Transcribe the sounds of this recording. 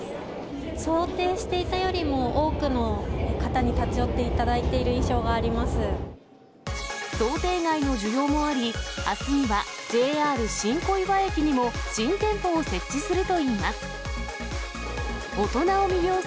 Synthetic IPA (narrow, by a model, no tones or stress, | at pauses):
so̞ːt̪e̞ːɕi̥t̪e̞it̪ajo̞ɾʲimo̞ʔoːkɯ̟no̞kat̪aɲ̟it̪at͡sɨjo̞t̪ːe̞it̪ad̪ait̪e̞iɾɯ̟ĩɰ̃ɕo̞ːɡaːɾʲimasɨ | so̞ːt̪e̞ːɡaino̞ʑɨɾʲo̞ːmo̞aɾʲiasɨmʲiβad͡ʑe̞ːaːɾɯ̟ɕĩŋko̞iβae̞kʲiɲ̟imo̞ɕĩnt̪ẽ̞mpo̞ːse̞t͡ɕːisɨɾɯ̟t̪o̞iːmasɨ̥ | o̞t̪o̞nao̞mʲiɡʲo̞ː